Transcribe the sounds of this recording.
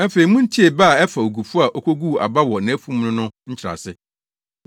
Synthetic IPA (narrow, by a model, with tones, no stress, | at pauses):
ɛ˦fe˨i˨mũ˦n̩˦tʰi˦e˨ba˦˨ɛ˦fa˨o˨ɡu˨fu˦a˨ʔo˦kʰʷo˦ɡu˦˨a̰˨ba˦wɔ˨nã˨æ˦fũ˦m˦nʊ̃˦nʊ̃˦ɲ̩˦t͡ɕʰɪ˨ɾa̰˨sɪ˦